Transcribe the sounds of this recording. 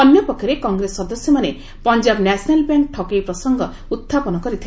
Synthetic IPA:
ɔnjɔpɔkʰjɔɾekɔŋɡɾesɔd̪ɔsjɔmane | pɔnd͡ʒabnasʰnalbjaŋk̚ʈʰɔkejpɾɔsɔŋɡɔ | ut̪ʰːapɔnɔkɔɾit̪ʰi

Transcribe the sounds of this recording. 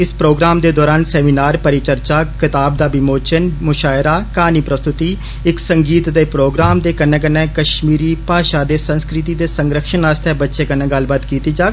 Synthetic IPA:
ɪspɾoːɡɾaːmd̪eːd̪ɔːɾaːnsɛːmiːnaːɾpəɾɪt͡ʃəɾt͡ʃaːkɪt̪aːb̚d̪aːbɪmoːt͡ʃənmʊʃaːɪɾaːkaːniːpɾəst̪ʊt̪iː | ɪksəŋɡiːt̪d̪eːpɾoːɡɾaːmd̪eːkənːɛ̃ːk̬ənːɛ̃ːkəʃmiːɾiːpaːʃaːd̪eːsənskɾɪt̪̬iːd̪eːsəŋɡɾəkʃənaːst̪ʰɛːbətːʃeːkənɛ̃ːɡəlbaːt̪kiːt̪iːd͡ʒaːk

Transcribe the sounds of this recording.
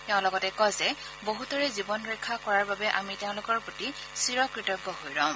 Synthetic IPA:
teʊ̃lɔɡɔtɛkɔzɛ | boɦutɔɹɛzibɔnɹɛkʰːakɔɹaɹbabɛʔamiteʊ̃lʊkɔɹpoti | siɹɔkɹitɔɡːɔɦojɹãʊ̃

